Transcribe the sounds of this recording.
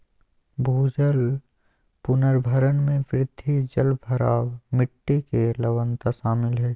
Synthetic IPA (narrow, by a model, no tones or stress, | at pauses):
bʱuːd͡ʒəl | pʊnəɾbʱəɾənmẽʋɾɪd̪ʱːid͡ʒəlbʱəɾaːwmɪʈːikeləʋənt̪aʃaːmɪlɦɛː